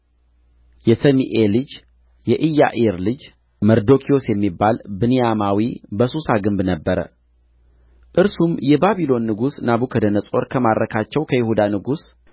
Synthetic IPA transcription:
jɛsəmiʔelɨd͡ʒ | jɛʔɨjːa̰ʔeɾlɨd͡ʒ | məɾd̪o̞kʰio̞sjɛmːibːalbɨnijamawibəsusaɡɨmbnəbːəɾə̰ | ʔɨɾsumjɛbaβilo̞nːɨɡusnaβukʰəd̪ənəsʼo̞ɾkʰəmadɾʔəkʰat͡ʃːɛwkʰəjɪhud̪anɨɡus

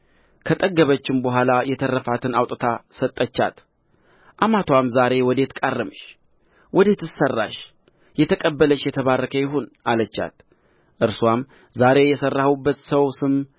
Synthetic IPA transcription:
kʰət̪ʼəɡːəβət͡ʃːɪmbəɦʷalajɛt̪ʰərːəfat̪ʰɨnawt̪ʼət̪ʰasət̪ʼːət͡ʃːa̰t̪ | ʔamat̪ʰwamzaɾe̞wɔd̪e̞t̪kʼarːɨmɨʃ | wʔɔd̪et̪ʰɨsərːa̰ʃ | jɛt̪ʰəkʼəbːələʃjɛt̪ʰəβarːəkʰəjɪɦonalət͡ʃːa̰t̪ | ʔɨɾswam | zaɾe̞jɛsərːahubːət̪səwsɨm

